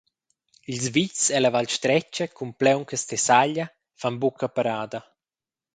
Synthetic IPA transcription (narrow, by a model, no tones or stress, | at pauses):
ilzvit͡sɛlavalʃt̪ɾɛt͡ʃəkʰumplɛwŋkəst̪ɛsaʎa | fanbukapaɾaːd̪ɐ